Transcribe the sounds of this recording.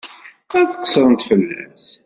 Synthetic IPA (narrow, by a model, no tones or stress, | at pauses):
æθəqːə̥sˤːɾˤənt̪fəlːæ̰s